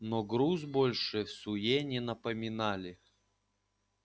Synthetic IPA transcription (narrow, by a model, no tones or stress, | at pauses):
nɔɡɾuzbolʲʂɨfsʊjenʲɪnɐpəmʲɪnalʲɪ